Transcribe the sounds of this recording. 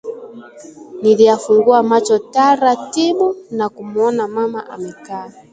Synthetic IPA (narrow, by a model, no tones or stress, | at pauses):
nilijafuŋɡuamat͡ʃɔtaɾatiɓunakumuɔnamama̰ʔa̰mɛkaː